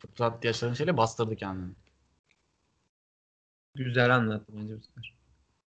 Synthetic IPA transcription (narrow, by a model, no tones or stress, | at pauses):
fɯt̪ʰɾat̪ːjat͡ʃlˠaɾɯnʃe̞jlʲɛbast̪ɯɾd̪ɯcʰɛnd̪inɪ | ɟyzælʲanlˠat̪ʰːɯmand͡ʒebuskaɾ